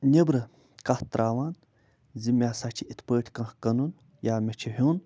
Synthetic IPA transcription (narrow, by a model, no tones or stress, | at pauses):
nʲebɾɨ | kaht̪ɾʔaːʋaːn | zimʲaːsat͡ʃʰiʔit̪ʰpəːʈʰkɐ̃hkɐnun | jaːmet͡ʃʰiɦʲuːn